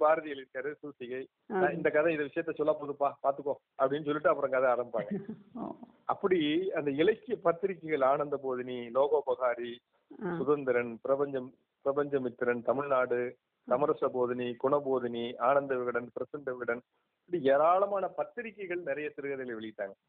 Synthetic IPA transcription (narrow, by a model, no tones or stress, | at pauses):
paːɾɐðɪjɐlɪɾɯkːaːɾɐðsuːsɪɣɐɪ | nãɪnd̪ɐkːɐðɐ̃ɪðɐʋɪʂɐjɐt̪ːɛsɔlːapoːðɯpːaːpaːɾt̪ɯkːõː | ɐpːɐɽɪnːɯs̬ɔlːɪʈːɯɐpːɯɾɐ̃ŋkɐðɐ̃aːɾɐmbpaːŋɡɐ | ɐpːɐɽiɐnd̪ɐɪɭɐɪkːɪjɐpɐt̪ːɪɾɪkːɐɪɣɐɭaːnɐnd̪ɐpoːðɪniloːɣoːpɐɣaːɾi | sʊðɐnd̪ɪɾɐnpɪɾɐbɐɲd͡ʒɐm | pɪɾɐbɐɲd͡ʒɐmɪt̪ːɪɾɐnt̪ɐmɪɭnaːɽɯ | t̪ɐmɐɾɐsɐpoːðɪnikʊɳɐpoːðɪniaːnɐnd̪ɐʋɪɣɐɽɐnpɪɾɐsɪɳɖɐʋɪɣɐɽɐn | pːɐɽieːɾaːɭɐmaːnɐpɐt̪ːɪɾɪkːɐɪɣɐɭnɪɾɐjɐt̪ɪɾɯɣɐðɪlɐʋɛɭɪjɪʈːaːŋɡɐ